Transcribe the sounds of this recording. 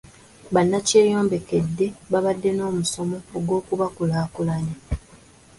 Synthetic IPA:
βanːace̞ːjo̞ːmbe̞ke̞dːe̞βaβadːe̞no̞ːmuso̞mo̞ːɡwo̞ːkuβakulaːkulaɲa

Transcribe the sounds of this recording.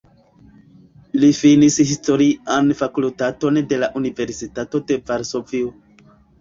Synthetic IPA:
ilifinishisto̞ɾianfakultato̞nde̞laʔunive̞ɾsitato̞de̞vaɾso̞vio

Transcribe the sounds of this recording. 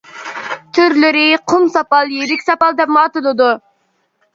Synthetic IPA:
t̪ʰyɾlɪɾɪqʰʊmsɑpɑlˠjeɾɪkʲsɑpɑlˠd̪ɛpmɑːt̪ɨlˠɨd̪u

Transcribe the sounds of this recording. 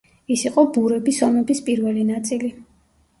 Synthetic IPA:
isiqʼɔbuɾɛbisɔmɛbispʼiɾvɛlinat̪sʼili

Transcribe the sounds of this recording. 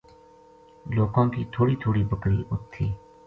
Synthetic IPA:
loːkãːkiːt̪ʰoːɽiːt̪ʰoːɽiːbəkɾiːʔʊt̪ʰːiː

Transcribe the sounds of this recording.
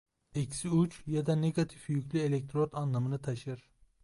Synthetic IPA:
ekʲʰsiut͡ʃʰjɑd̪aneɡat̪ʰifjykʰʲlielek̚ʲt̪ʰɾot̪ʰɑnlˠamɯnɯt̪ʰaʃɯɾ

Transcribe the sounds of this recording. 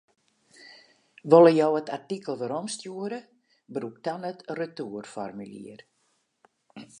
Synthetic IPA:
ʋolˠəjɔwətartikəlˠʋəɾɔmstjuəɾə | bruk̚tɔnətrətuərfɔrmylḭər

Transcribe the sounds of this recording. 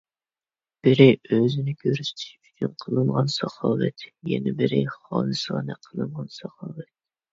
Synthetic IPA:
b̥ɪɾɪʔøzɪnɪkʲʰøɾyst̪ʰi̥ʃyt͡ʃʰynqʰəlˠɨnʁɑnsɑχɑːwɛ̰t̪jɛ̰nɪbɪɾɪχɑ̰ːnɨsəʁɑnɛqʰəlˠɨnʁɑnsɑχɑːwɛt̪̚

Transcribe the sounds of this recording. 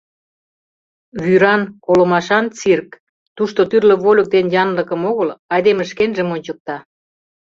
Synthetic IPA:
βyɾɑnkolə̆mɑʃɑnt͡sirk | t̪uʃt̪ot̪yrlə̆βolʲə̆k̚d̪enjɑnlə̆kə̆moɣəlɑjd̪emə̆ʃkenʒə̆monʲt͡ɕək̚t̪ɑ

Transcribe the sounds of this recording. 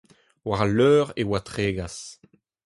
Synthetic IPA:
waʁaløœːʁewat̪ʁeːɡas

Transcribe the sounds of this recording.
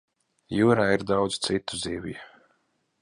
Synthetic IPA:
juːɾaːiɾd̪awd̪z̥t̪sit̪uziːvij

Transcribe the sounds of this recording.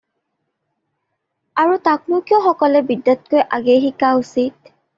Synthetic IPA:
aɹutaknʊkiɔxɔkɔlɛbidːatkojʔaɡeɦikaʊsit̚

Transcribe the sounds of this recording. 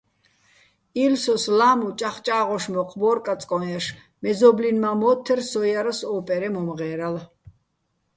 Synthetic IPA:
ilsɔslaːmut͡ʃʼaχt͡ʃʼaːʁɔʃmɔqʰʼbɔːɾkʼat͡sʼkʼɔɛʃ | mɛzɔblinmamɔːt̪ʰɛrsɔjaɾasɔːpʼɛɾɛmɔmʁɛːɾal

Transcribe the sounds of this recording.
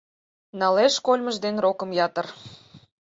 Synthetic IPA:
nɑleʃkolʲməʒd̪enrokə̆mjɑt̪ər

